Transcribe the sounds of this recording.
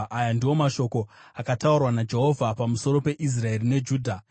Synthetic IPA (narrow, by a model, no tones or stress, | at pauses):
ʔajandiwo̞maʃo̞ko̞ | akataurwanad͡ʒe̞ɦo̞vʱapamuso̞ɾo̞pe̞ʔis̬rae̞rine̞d͡ʒuːdʱa